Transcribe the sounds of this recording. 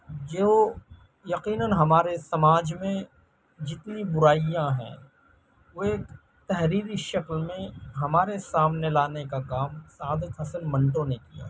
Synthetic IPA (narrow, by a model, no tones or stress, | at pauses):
d͡ʒoː | jɐqiːnənɦɐmaːɾesɐmaːd͡ʒmẽ | d͡ʒɪt̪nibʊɾaːijãɦɛ̰̃ː | ʋoeːk | t̪ɛɦɾiːɾiʃɐklmẽɦɐmaːɾesaːmnelaːnekakaːmsaːd̪əkɦɐsənmɐ̃ɳʈõnekija̰ː